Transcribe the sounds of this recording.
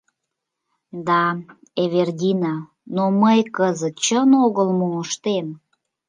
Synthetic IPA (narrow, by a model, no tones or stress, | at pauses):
d̪ɑ | eβerdʲinɑ | noməjkəzət̪̚t͡ɕənoɣəlmuŋəʃt̪en